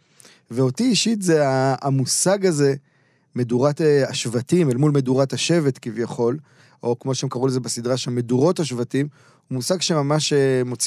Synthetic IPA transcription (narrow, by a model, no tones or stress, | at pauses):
veo̞tiiʃit̪zeaːmusaɡaze̞ | me̞duʁateaʃvatimelmulme̞duʁathaʃe̞vet̪kivjaχo̞l | o̞kmo̞ʃeemkaʁulezebesid̪ʁaʃelme̞duʁo̞thaʃvatim | humusaɡʃe̞mamaʃemo̞t͡s